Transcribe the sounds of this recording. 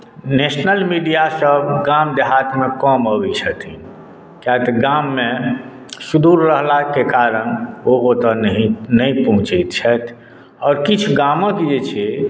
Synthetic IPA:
nesnəlmiɖijasəbɡamd̪eɦat̪mẽkɔməbit͡ʃʰət̪i | kjat̪ɡamːẽ | sud̪uɾːəɦlakekaɾənoot̪əninəĩpɔɦʊ̃t͡ʃit̪t͡ʃʰɛt̪ʰ | ɔːɾkit͡ʃʰɡamə̃k̪ed͡ʒet͡ʃʰie

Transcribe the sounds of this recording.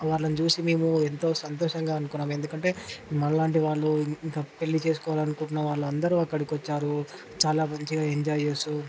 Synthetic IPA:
ʋaːɾɭːɐnit͡ʃuːsime̞ːmuent̪o̞ːsɐnt̪ɔːʂɐŋɡaːɐnukunːaːme̞nd̪ukɐɳʈe̞ːmɐɭːaːɳʈiʋaːɭːuiŋkaːpe̞lːit͡ʃe̞ːsu̥kɔːʋaːlɐnukuɳʈunːɐʋaːɭːuɐnd̪ɐɾuɐkːɐɽikʋɔt͡ʃːaːɾu | t͡ʃaːlaːmɐɲt͡ʃiɡaːeɲd͡ʒaːjesu

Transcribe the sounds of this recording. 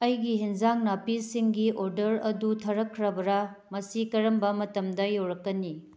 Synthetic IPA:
ɐjɡiɦinzaŋnapisiŋɡiʔoɾdɐɾɐdutʰɐɾɐkʰːɾɐbɐɾamɐsikɐɾɐmbɐmɐtɐmdɐjowɾɐkːɐni

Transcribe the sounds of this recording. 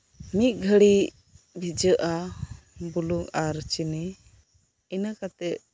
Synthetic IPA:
mit̪̚ˀɡʱəɽi | bʱid͡ʒəʔa | buluŋaɾt͡ʃini | inakat̪ɛt̪̚

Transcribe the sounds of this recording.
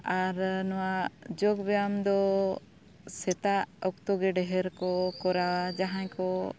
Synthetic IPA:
aɾnɔwad͡ʒɔɡbɛjamd̪ɔ | sɛt̪aʔɔk̚t̪ɔɡɛɖɛɦɛɾkɔkɔɾawad͡ʒaɦãjkɔ

